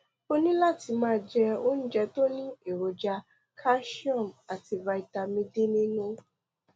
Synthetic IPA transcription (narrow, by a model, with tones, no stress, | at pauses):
o˦nĩ˦la˦˨ti˧mãː˦d͡ʒɛ˧o˦ñ̩˦d͡ʒɛ˧to˦nĩ˦e˦˨ɾo˨d͡ʒa˧ | kʰa˦ʃi˦ɔ̃˦˨ma˨ti˧va˧i˨ta˧mĩ˧di˦nĩ˦nũ˦